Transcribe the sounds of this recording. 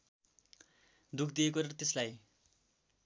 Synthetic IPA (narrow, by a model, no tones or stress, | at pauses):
d̪ukʰd̪iekort̪eslaj